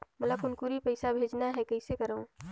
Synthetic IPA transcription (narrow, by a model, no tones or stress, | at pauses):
mələkʊnkuɾipəɪsabʱeːd͡ʒnaɦɛkɐɪsekəɾəõ